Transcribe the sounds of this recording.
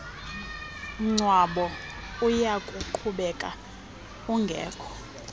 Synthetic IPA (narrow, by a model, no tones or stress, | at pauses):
ŋ͡ǀwaɓɔ | ujakʼuǃʰuɓɛkʼa̰ | uŋɡʱɛ̰ːkʰɔ̥